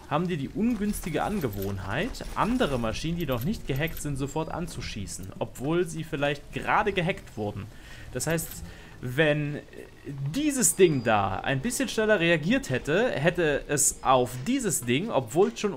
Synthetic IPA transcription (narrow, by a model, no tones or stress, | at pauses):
haːbm̩viːɐdiːʔʊnɡʏnstɪɡəʔa̰nɡəvoːnha̰ɪtʔa̰ndəʁ̞əmaʃiːnəndiːnɔχnɪçt̚ɡ̥əɦɛktz̥ɪntz̥ofɔɐtʔa̰nt͡suʃḭːsn̩ʔɔpv̥oːlziːfɪlaɪçt̚ɡ̥əʁaːdəɡəɦɛktv̥ʊɐdn̩ | d̥ashaɪst | vɛn | diːzəsd̥ɪŋda̰ːa̰ɪnbɪsçənʃnɛlɐʁeaɡiːɐthɛtəhɛtəʔɛsʔaʊfd̥iːzəsd̥ɪŋʔɔpv̥oːlʃoːn